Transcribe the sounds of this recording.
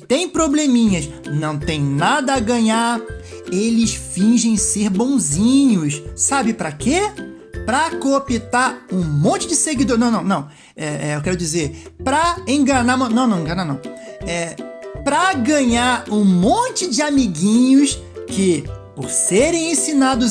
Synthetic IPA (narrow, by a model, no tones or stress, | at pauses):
t̪ẽj̃pɾoblemĩɲɐsnɐ̃w̃t̪ẽj̃nad̪ɐːɡɐ̃ɲaɾ | elɪsfĩʒẽj̃seɾbõw̃zĩɲʊssabɪpɾɐke | pɾɐkopit̪aɾũmõnt͡ʃɪd͡ʒɪseɡid̪oɾnɐ̃w̃nɐ̃w̃nɐ̃w̃ | ɛɛewkɛɾʊd͡ʒizeɾpɾɐẽɡɐnamɐ̃w̃nɐ̃w̃nɐ̃w̃ẽɡɐ̃nanɐ̃w̃ɛpɾɐɡɐ̃ɲaɾũmõt͡ʃɪd͡ʒɪamiɡĩɲʊs | kɪpoɾseɾẽj̃ẽsinad̪ʊ